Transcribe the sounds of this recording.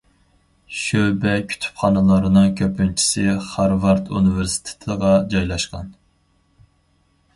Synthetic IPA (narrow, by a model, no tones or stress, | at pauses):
ʃøwbɛkʲʰy̥t̪ʰy̥pχɑnɨlˠɑɾɨnɨŋkʲʰøpynt͡ʃʰi̥sɪχɑɾvɑɾt̪ʰunɨvɪɾsi̥t̪ʰe̥t̪ʰɨʁɑd͡ʒɑjlˠɑʃqɑ̰n